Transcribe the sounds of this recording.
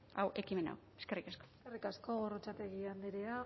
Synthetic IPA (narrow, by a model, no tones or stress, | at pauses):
awʔe̞kime̞na̰w | eskerikasko̥ | erikasko̞ɣo̞rot͡sat̪e̞ɣiand̪eɾea